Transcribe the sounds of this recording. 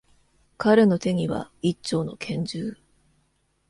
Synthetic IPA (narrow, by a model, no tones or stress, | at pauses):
kʰaɾe̞no̞t̪e̞ɲ̟iβa̰it͡ɕːo̞ːno̞̰kʰẽ̞ɲ̟d͡ʑɨː